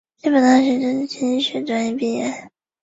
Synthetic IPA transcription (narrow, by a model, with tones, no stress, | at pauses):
t͡ɕi˥˩pə˨˩nt̪ɑ˥ŋɕ̬ɥɛ˧˥t͡ɕo˥˩t͡ɕʰi˧˥i˥ɕɥɛ˧˥ʈ͡ʂwa˥njɛ˥˧pi˥˩jɛ˥˩